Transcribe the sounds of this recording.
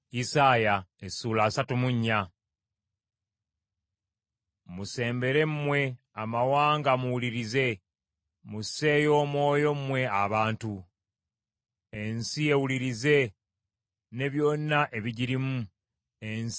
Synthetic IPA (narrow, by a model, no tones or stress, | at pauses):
isaːjaesuːlaːsatumuɲːa | muse̞ːmbe̞ɾe̞mmwe̞ | amawaːŋɡamuwuliɾize̞ | muse̞ːjo̞ːmo̞ːjo̞mmwe̞aβaːntu | e̞nsie̞wuliɾize̞ | ne̞βjo̞nːaʔe̞βiɟiɾimu | ens